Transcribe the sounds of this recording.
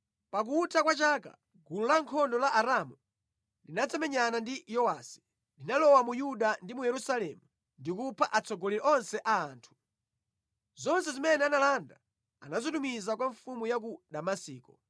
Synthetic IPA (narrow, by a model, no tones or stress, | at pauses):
pak̬utakwat͡ʃaka̰ | ɡulɔlaŋkʰɔndɔlaʔaɾamu | linat͡sʰɛmɛɲanandijɔwasi̥ | linalɔwamujuɗandimujɛɾusalɛmu | ndikupʰaʔat͡sɔɡɔliɾɛʔɔnsɛʔaːntʰu̥ | zɔnsɛzimɛnɛanalanda | a̰nazɔtumizakwaɱfumujak̬uɗamasiːkɔ